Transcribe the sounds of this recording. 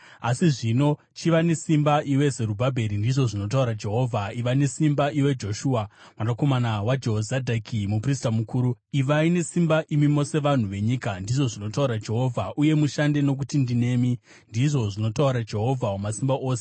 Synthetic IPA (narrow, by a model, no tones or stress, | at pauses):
asiʐino̞ | t͡ʃiʋane̞simbaʔiwe̞ze̞ɾubʱabʱe̞ɾindiʐo̞ʐino̞t̬auɾad͡ʒe̞ɦo̞vʱaiʋane̞simbaʔiwe̞d͡ʒo̞ʃuːamwadako̞manawad͡ʒeozadʱakʰimupristamukuːɾuiʋaine̞simbaʔimimo̞se̞ʋan̤uʋe̞ɲikandiʐo̞ʐino̞tauɾad͡ʒe̞ɦo̞vʱaʔuje̞muʃande̞no̞k̬utindine̞ːmi | ndiʐo̞ʐino̞tauɾad͡ʒe̞ɦo̞vʱaumasimbaʔo̞ːse